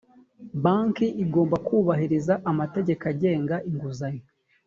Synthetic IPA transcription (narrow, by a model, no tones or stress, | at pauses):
baŋkiʔiɡo̞ːmbakuːβaɦiɾizaʔamate̞ɟe̞kaɟe̞ːŋɡaʔiŋɡuzaɲi